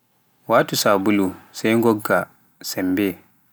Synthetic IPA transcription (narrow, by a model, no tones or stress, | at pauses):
waːtusaːbulusɛjŋɡɔɡːa | sɛmbɛ